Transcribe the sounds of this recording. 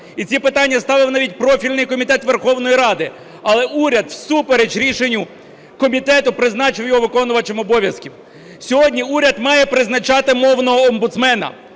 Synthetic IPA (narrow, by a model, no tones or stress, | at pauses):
it͡sʲipɪt̪ɑnʲːɐst̪ɑʋɪwnɑʋʲit̚ʲpɾɔfʲilʲnɪjkɔmʲit̪ɛt̪ʋerxɔwn̪ɔjiɾɑd̪ɪ | ɐlˠɛuɾʲɐd̪wsupeɾed͡ʒɾʲiʃenʲːʊ | kɔmʲit̪ɛt̪ʊpɾɪzn̪ɑt͡ʃɪwjɔɦɔʋɪkɔnʊʋɐt͡ʃemɔbɔʋʲjɐskʲiw | sʲɔɦɔdʲnʲiuɾʲɐd̪mɑjɛpɾɪznɐt͡ʃɑt̪ɪmɔwnɔɦɔɔmbʊt̪smɛnɐ̰